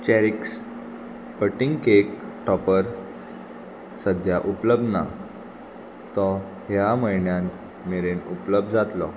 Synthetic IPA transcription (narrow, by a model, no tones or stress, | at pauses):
t͡ɕɛɾiks | pəʈiŋɡkekʈʰɔpəɾ | səd̪ʱjaʔupləb̚d̪na̰ | t̪ɔ | ɦjaməjɳjãn | meɾenupləb̚d̪d͡zat̪lɔ